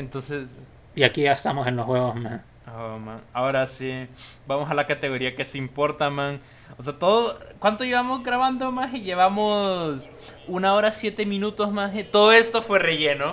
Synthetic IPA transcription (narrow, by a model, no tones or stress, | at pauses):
ent̪o̞nse̞s | iakiaest̪amosenlosxwe̞ɣozma | omã̰ŋaoɾasibamo̞salakat̪e̞ɣo̞ɾiake̞simpo̞ɾt̪amãŋ | os̬eat̪o̞ðokwant̪oiβamozɡɾaβand̪omasiʝe̞βamos | unaoɾasje̞t̪emĩnut̪o̞smaset̪o̞ðoe̞st̪o̞fwere̞ʝe̞no